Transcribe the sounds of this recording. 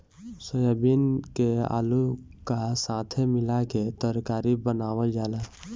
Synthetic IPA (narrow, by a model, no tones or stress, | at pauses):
səjəbinkea̰ːlu | kasãːt̪ʰemɪlaket̪əɾkaːɾibənaːwəld͡ʒaːla